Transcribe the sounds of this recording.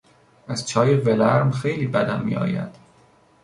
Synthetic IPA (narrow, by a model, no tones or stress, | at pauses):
æz̥t͡ʃʰɒːjevelæɾmxejliːbæd̪æmːḭːɒ̰ːjæ̰d̪̥